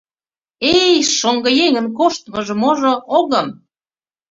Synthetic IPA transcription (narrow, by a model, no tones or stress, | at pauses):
ejʃoŋɡɤ̆jeŋə̆nkoʃt̪mɤʒɤ̆moʒoʔoɣə̆m